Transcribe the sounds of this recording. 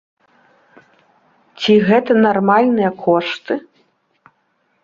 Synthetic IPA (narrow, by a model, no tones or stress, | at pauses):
t͡sʲiɣɛt̪ɐnarmalʲnɨjɐkʰɔʂt̪ɨ